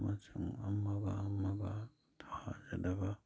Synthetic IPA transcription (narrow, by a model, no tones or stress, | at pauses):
mat͡ʃʰɯŋamːabaːmːaba | t̪ʰaad͡ʒad̪aba